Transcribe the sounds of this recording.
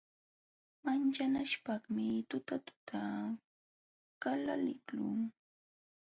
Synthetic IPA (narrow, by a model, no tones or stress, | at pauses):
mant͡ʃanaʃpaχmɪt̪ʊt̪at̪ʊ̥t̪ʰa | kalalɪklʊ̰ŋ